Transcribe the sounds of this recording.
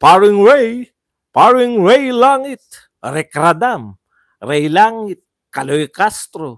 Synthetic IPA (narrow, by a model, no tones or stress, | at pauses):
paɾiŋɹɛj | paɾiŋɹɛjlaŋɪt̪̚ | ɾɛkɾad̪am | ɾɛjlaŋit̪̚ | kalojkast̪ɾo